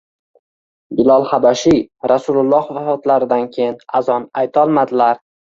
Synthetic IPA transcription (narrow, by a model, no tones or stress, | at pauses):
bɪlɒlˠhabaʃijɾasulʊlˠːɒhvafɒt̪ʰlaɾɪd̪ankʲʰejɪnazɒnajt̪ʰɒlˠmad̪ɪlaɾ